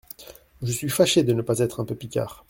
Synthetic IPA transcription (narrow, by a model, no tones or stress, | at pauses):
ʒəsɥifaʃed̪ənəpazɛt̪χɛ̃pøpikʲa̰ːʁ